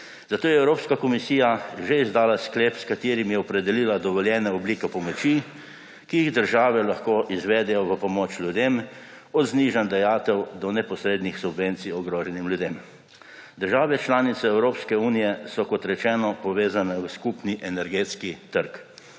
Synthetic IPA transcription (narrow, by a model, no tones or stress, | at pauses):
zat̪oːjɛːwɾoːpskakɔmisiːjaʒeizd̪aːlaskleːpskat̪eːɾimjɛɔpɾɛd̪ɛliːlad̪ɔʋɔljɛːnɛɔbliːkɛpɔmɔt͡ʃi | kiiɣd̪əɾʒaːʋɛlaxkoːʔizʋɛːd̪ɛjɔʋəpɔmoːt͡ʃlʲjud̪em | ɔd̪zniːʒand̪ɛjaːt̪ɛwd̪ɔnɛpɔsɾeːd̪nixsubʋent̪siɔɡɾoːʒɛnimljud̪em | d̪əɾʒaːʋɛt͡ʃlaːnit̪sɛɛwɾoːpskɛuːnijɛsɔkɔt̪ɾɛt͡ʃɛːnɔpɔʋeːzanɛwskupniʔɛnɛɾɡeːt̪skit̪əɾk